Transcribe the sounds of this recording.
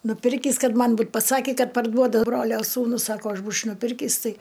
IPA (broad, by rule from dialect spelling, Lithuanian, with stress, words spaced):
nʊˈpʲɪrʲkʲiːs ˈkɐt ˈmɐn ˈbuːt pɐˈsɑːkʲɪ ˈkɐt pɐrˈduɔdɐ ˈbroːlʲoː suːˈnʊs ˈsɑːkoː ˈɐʃ ˈbuːt͡ʃʲ nʊˈpʲɪrʲkʲiːs ˈtɐɪ